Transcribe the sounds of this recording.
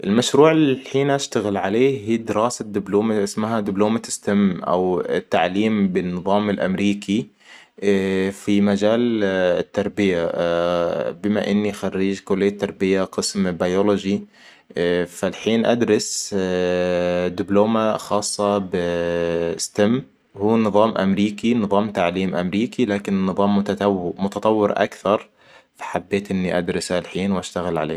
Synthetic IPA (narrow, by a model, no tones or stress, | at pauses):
ʔɪlmaʃɾuːʕɪlħiːnʔaʃt̪aɣɪlʕaleːɦiːd̪ɪɾɑːsad̪ɪbluːmaʔɪsmaɦad̪ɪbloːmat̪ɪ̥st̪amʔa̰wt̪ːaʕliːmbɪnːɨðˤɑːmɪlʔa̰mɾiːkʰi | fimad͡ʒaːlɪt̪ːɑɾˤbɪja | bɪma̰ʔɪnːixarːiːd͡ʒkʊlɪjːat̪ːɑɾˤbɪjaqɨsmbajolʊd͡ʒi | falħiːnʔad̪ɾɪs | d̪ɪbloːmaxɑːsˤːɑbɪ | st̪amː | huːnɨðˤɑːmʔa̰mɾiːkinɨðˤɑːmt̪aʕliːmʔamɾiːkilaːkɪnɪnːɨðˤɑːmːʊt̪at̪mʊt̪ɑt̪ˤɑwːɪɾʔa̰kθɑɾˤ | fḁħabːeːt̪ʔɪnːiʔad̪ɾɪsalħiːnwʔaʃt̪aɣɪlʕa̰leː